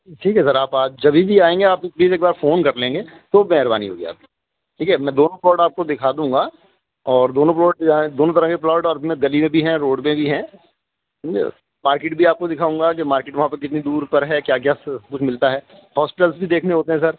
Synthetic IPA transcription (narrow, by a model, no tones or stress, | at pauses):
ʈʰiːkɦɛsɐɾaːpaːd͡ʒd͡ʒɐbʱibʱiaːẽːŋɡeaːp̚pliːzeːk̚baːɾfoːnkɐɾlẽːŋɡeːt̪omɛɦɾba̰ːnḭɦo̰ːɡia̰ːp̚ki̥ | ʈʰiːkɛmɛ̃ːd̪oːnõplɔːɖaːp̚kod̪ɪkʰaːd̪ũːŋɡa | ɔːɾd̪oːnõplɔːɖ̚jãd̪oːnõt̪ɐɾə̃keplɔːʈɔːɾmɛ̃ɡɐlimẽbʱiɦɛ̃ɾoːɖmẽbʱiɦɛ̃ | maːɾkeːʈ̚bʱiaːp̚kod̪ɪkʰaːũːŋɡak̬emaːɾkeːʈʋɐɦãpekɪt̪nid̪uːɾpɐɾɦɛkjaːk̬jaːs̚kʊt͡ʃʰmɪlt̪aɦɛː | hɔːspɪʈəlsbʱid̪eːkʰneɦoːt̪eɦɛ̃s̬ɐɾ